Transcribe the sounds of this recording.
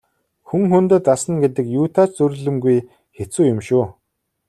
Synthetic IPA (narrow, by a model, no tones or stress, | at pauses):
xuŋxɵnt̪ɘ̆t̪asə̆nɡet̪ɘ̆kjuːt̪ʰaːt͡ɕt͡sɵɾɮɵ̆mɡuj | xet͡suːjʊmʃuː